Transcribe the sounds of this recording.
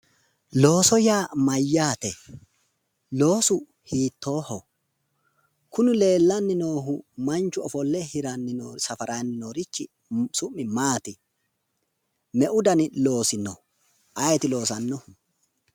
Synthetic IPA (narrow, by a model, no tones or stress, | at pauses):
lo̞ːsɔjaːmɐjːaːt̪ɛ | lo̞ːsʊ | hiːt̪ːo̞ːhɔ | kʊnʊle̞ːlːɐnːɪno̞ːɦʊmɐnt͡ʃːʊɔfɔlːɛhɪɾɐnːɪnoːsɐfɐɾʔɐnːɪnoːɾɪt͡ʃːɪ̰ | sʊmːɪmaːt̪ɪ | mɛʔʊd̪ɐnɪlo̞ːsɪnɔ | ʔɐjɛt̪ɪlo̞ːsɐnːɔ